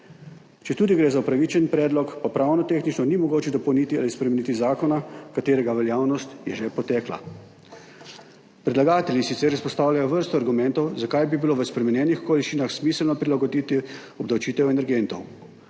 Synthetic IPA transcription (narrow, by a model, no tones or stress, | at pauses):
t͡ʃɛt̪uːd̪iɡɾeːzaupɾaʋit͡ʃɛnpɾɛːd̪lɔkpapɾawnɔt̪eːxnit͡ʃnɔnimɔɡoːt͡ʃɛd̪ɔpɔwnit̪ialispɾɛmenit̪izaːkɔnakat̪eːɾɛɡaʋɛljaːwnɔst̪jɛʒɛpɔt̪ɛːkla̰ | pɾɛd̪laɡaːt̪ɛljisit̪sɛːɾispɔst̪aːwlʲjajɔʋəɾst̪ɔaɾɡumɛ̃nt̪ɔwzakajbibiloʋəspɾɛmɛnjɛːnixkoliʃiːnaxsmiːslnɔpɾilaɡɔd̪it̪i | ɔb̚d̪awt͡ʃiːt̪ɛwɛnɛɾɡent̪ɔw